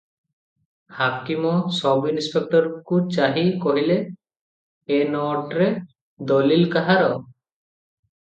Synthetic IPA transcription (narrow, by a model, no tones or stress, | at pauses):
hakimɔsɔbinispek̚ʈɔɾkut͡ʃaɦikɔɦile | nɔʈɾe | d̪ɔlilkaɦaɾɔ